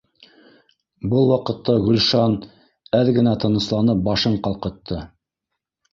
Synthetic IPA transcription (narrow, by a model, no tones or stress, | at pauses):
bɤlˠwɑqɤ̆t̪ːɑɡɵ̆lʲʃɑn | æðɡɘ̆næt̪ɤ̆nɤ̆slˠɑnɤp̚bɑʃɤɴqɑlˠqɤ̆t̪ʰːɤ